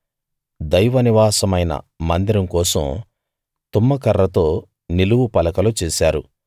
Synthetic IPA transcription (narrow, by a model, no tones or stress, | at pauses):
d̪ɐjʋɐniʋaːsɐmɐjnɐ̰ | mɐnd̪iɾɐmkɔːsɐ̰m | t̪umːɐkɐrːɐt̪o̞ː | niluʋupɐlɐkɐlut͡ʃeːsaːɾu